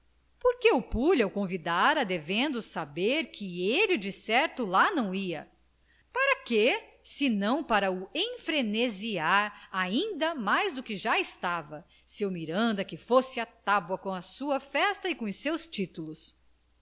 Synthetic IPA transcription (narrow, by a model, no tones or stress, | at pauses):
poɾkeʊpuʎɐwkõvid̪aɾɐd̪evẽnd̪ʊsabeɾkʰɪelɪd͡ʒɪsɛɾt̪ʊlanɐ̃w̃iɐ | paɾɐke | sɪnɐ̃w̃paɾɐuẽfɾeneziaɾaĩnd̪ɐmajzd̪ʊkɪʒaɪst̪avɐ | sewmiɾɐ̃nd̪ɐkɪfosɪat̪abwɐkõɐsuɐfɛst̪ɐikõʊsewst͡ʃit̪ulʊs